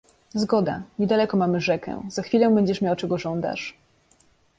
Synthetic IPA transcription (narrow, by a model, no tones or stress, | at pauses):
zɡɔd̪a̰ɲɛd̪alɛkɔmamɘʐɛkɛ̰z̥axfʲilɔ̃bɛɲd͡ʑɛʂmʲjawt͡ʂɛɡɔʐɔnd̪a̰ʂ